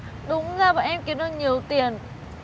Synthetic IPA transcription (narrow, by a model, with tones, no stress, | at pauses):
ɗʊ˨˦ŋ͡mzaː˧˩ɓa̰ː˧˨˩nʔɛ˧mki˨˦ənɨ˨˧˩ɲi˨˩əwt̪i˨˩ən